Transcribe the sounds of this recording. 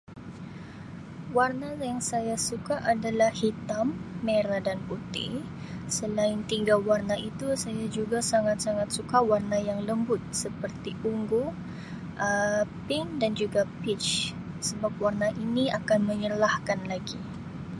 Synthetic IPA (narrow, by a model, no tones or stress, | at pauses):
warnajaŋsajasukaʔadalahhit̪amːeɾadanput̪ḭ | səlaɪnt̪iŋɡawarnaʔit̪usajad͡ʒuɡasaŋat̪̚saŋat̪̚sukawarnajaŋləmbʊt̪̚səpərt̪iʔuŋɡo | ʔəpɪŋdand͡ʒuɡapɪt͡ʃ | səbap̚warnaʔiniakanməɲərlahkanlaɡi